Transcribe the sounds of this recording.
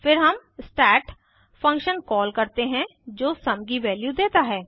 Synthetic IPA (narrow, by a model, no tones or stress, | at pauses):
pʰɪɾɦəmsʈɛːʈ | pʰə̃ŋkʃənkɔːlkəɾt̪eɦɛ̃d͡ʒoːsɐmɡiʋɛːljuːd̪eːt̪aɦɛː